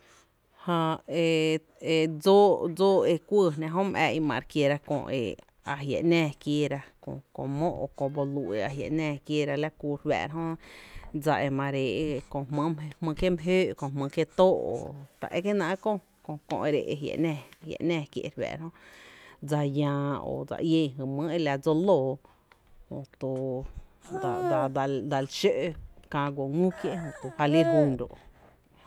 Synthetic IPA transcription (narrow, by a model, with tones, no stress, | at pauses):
hã˧e˨ | e˨d͡zo˦d͡zoː˦e˧kʷə˦˧nã˧ɦõ˦mʔɛ̰˧ʔi˧mã̰˧˨ɾkje˧˨ɾa˧kõ̰˧ḛ˨ | a˨ɦja̰˨ʔnɛ̃ː˧˨kje˧ɾa˧kõ̰˧˨kõ̰˧mõ˦ʔo˧˨kõ˧˨bo˧lu˧ʔḛ˧a˨ɦja̰˨ʔnɛ̃ː˧˨kje˦ɾa˧la˦kuː˧ɾwɛ̰ː˧˨ɾɦõ˦d͡za˧ʔe˧mã˧ɾe˨ʔe˦˧kõ˧˨hmə̃˦m˧hmə̃˧ke˦mɦøː˦ʔkõ˧˨hmə̃˧kje˦t̪oː˦ʔo̰˨t̪a̰˨ʔe˧ke˦nã˧˦kõ˦ | kõ˧kõ̰˧ʔe˧ɾe˧˨ʔe˧ɦjḛ˨ʔnɛ̃˧ja̰˨ʔnɛ̃ː˧˨kjḛ˧ʔɾwɛ̰ː˨ɾhõ˦ | d͡za˧jãː˧o̰˨d͡za̰˧ʔjẽ˧ɦɨ˨mə̃˦e˦la˧d͡zo˦loː˧˨ | hõ˧˨t̪u˧ | d̪a˨d̪a˧d̪a˧d̪a˧˨lʃø˦ʔkã˧ɡʷo˨ŋũ˦kje˦ʔhõ˧t̪u˧ha˧li˦ɾɦũ˧nd̪o̰˨ʔ